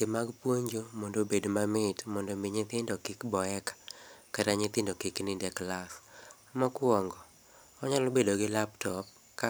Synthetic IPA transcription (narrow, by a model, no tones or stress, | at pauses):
kemaɡpwoɲd͡ʒomɔndobedmamɪtmɔndɔmɪɲɪt̪ɪndɔkɪkbɔɛkḁkaɾaɲɪt̪ɪndokɪknɪndɛklas | mɔkwɔŋɡɔ | ɔɲalɔbedoɡɪlaptɔp̚ | ka